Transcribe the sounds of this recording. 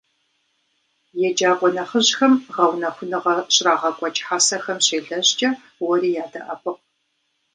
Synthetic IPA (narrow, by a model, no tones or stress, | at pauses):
jɛd͡ʒaːkʷʼɔnɐχəʑxɐmʁɐwnɐxʷʊnɨʁɐɕʼraːʁɐkʷʼɔt͡ʃʼħaːsɐxɐmɕeːɮɐʑt͡ʃʼɐ | wɔɾiːjaːdɐ̰ʔɐpʰʼɨq̚